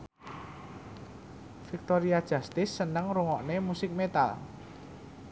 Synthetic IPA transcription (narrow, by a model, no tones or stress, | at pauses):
fik̚t̪oɾiad̥ʒ̥a̤st̪ɪsːənəŋɾuŋɔʔnemusɪk̚met̪a̰l